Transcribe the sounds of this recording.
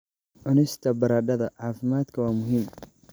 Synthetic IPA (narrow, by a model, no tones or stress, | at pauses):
ʕʊnɪst̪ʰɐbɐɾaːd̪ɐðɐʕaːfɪmaːd̪kʰɐwɑːmʊɦɪm